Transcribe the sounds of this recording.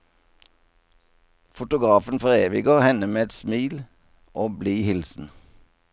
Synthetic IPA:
fʊt̪ʊɡʁɑːfən̩fɔʁeːʋɪɡəhɛnəmeːɛt̪smiːl | ʔoːbliːhɪlsn̩

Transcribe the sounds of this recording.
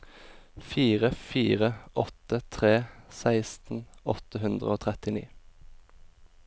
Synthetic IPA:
fiːʁəfiːʁəʔɔt̪ət̪ʰʁeːsæɪst̪n̩ɔt̪əhʉnd̪ʁəoːt̪ʰʁɛt̪ɪnḭː

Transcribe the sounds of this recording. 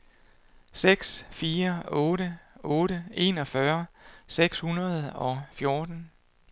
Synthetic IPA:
seɡ̥sfiːɐɔ̽ːɾəʔɔ̽ːɾəe̝̰ːnɒ̽fɶɐseɡ̥shunɐð̞̩ˠɒ̽fjo̝ːd̥n̩

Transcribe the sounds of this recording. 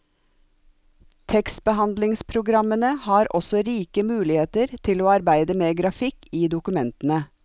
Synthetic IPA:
t̪ʰɛkst̪̚bəhɑnd̪lɪŋspʰɾʊɡɾɑmənəhɑːɾɔsɔɾiːkəmʉːlɪheːt̪əɾt̪ʰɪloːɑɾbæɪd̪əmeːɡɾɑfɪkiːd̪ʊkʉmɛnt̪n̩ə

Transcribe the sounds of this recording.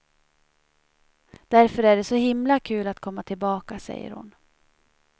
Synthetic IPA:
d̪̥æɾfœɾæɖɛsɔhɪmlakʰʉ̟ːlat̪kʰɔmːat̪ʰɪlbɑːkasɛ̰jːə̰ɾhʊ̰n

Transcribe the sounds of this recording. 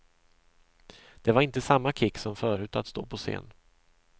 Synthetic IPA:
d̪̥ɛvaɾɪnt̪əsamːakʰɪkːsɔmfœːɾʉ̟ːt̪at̪st̪o̰ːpʰɔsḛːn

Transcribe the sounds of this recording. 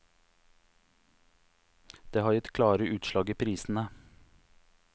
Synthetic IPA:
d̪̥eːhɑːɾjɪt̪kʰlɑːɾəʔʉːt̪ʃlɑːɡiːpʰɾiːsn̩ə

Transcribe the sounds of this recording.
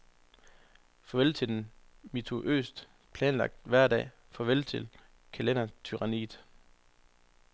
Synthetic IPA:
fɒ̽ʋelt͡sʰedn̩ | mit͡sʰuʔø̰ːsd̥ | pʰlɛːnlɑ̈ɡ̥̚d̥ʋæɐ̰dɛ̰ː | fɒ̽ʋel̰t͡sʰe̝l | kʰælenɐt͡sʰyʁɑnḭːd̥

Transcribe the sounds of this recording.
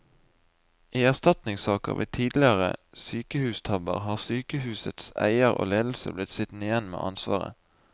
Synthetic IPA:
ʔiːæʁst̪ɑt̪nɪŋsɑːkə̰ʁʋʔḭːt̪ʰiːd̪lɪəʁə | syːkəhʉːst̪ʰɑbəʁhɑːʁsyːkəhʉːsət̪sæ̰ɪəʁo̰ːleːd̪l̩səblɪt̪sɪt̪n̩ɪjɛnmḛːʔɑ̰nsʋɑ̰ːʁə̰

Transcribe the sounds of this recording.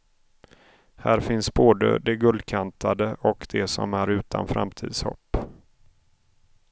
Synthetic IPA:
hæːɾfɪnsboːd̪ə̰d̪ɛɡɵld̪kʰant̪ʰad̪əʔɔkd̪ɛsɔ̰mæɾʉ̟ːt̪ʰa̰nfɾa̰mt̪ʰḭːd̪shɔ̰pː

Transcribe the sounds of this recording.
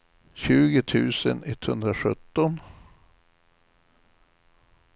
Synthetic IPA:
ɕʉːɡət̪ʰʉ̟ːsə̰nɛt̪ːhɵnd̪ɾaʂɵt̪ːɔn

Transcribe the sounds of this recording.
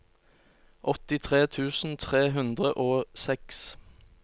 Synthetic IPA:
ʔɔt̪ɪt̪ʰʁeːt̪ʰʉːsn̩t̪ʰʁeːɦʉnd̪ʁəʔoːsɛks

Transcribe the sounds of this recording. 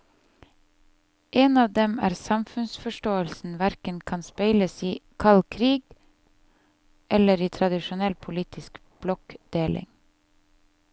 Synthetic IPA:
ʔeːnɑːʋd̪ɛmæ̰ːɾsɑmfʉnsfɔʃʈoːəlsn̩ʋæɾkənkʰɑnspæɪləsiːkʰɑlkʰɾiːɡ | ʔɛləɾiːt̪ʰɾɑd̪ɪʃʊnɛlpʰʊliːt̪ʰɪsk | b̥lɔkd̪̥eːlʔɪ̰ŋ

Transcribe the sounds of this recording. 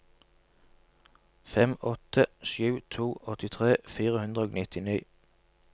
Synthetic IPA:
fɛmɔt̪əʃʉːt̪ʰuːʔɔt̪ɪt̪ʰʁeːfiːʁəhʉnd̪ʁəoːɡnɪt̪ʰɪniː

